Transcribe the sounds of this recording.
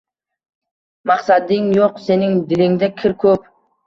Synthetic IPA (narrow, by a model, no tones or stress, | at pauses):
mɑqsɑd̪ɪŋjoqse̞nɪŋd̪ɪlɪŋd̪ɛkʲʰɪɾkʰɵp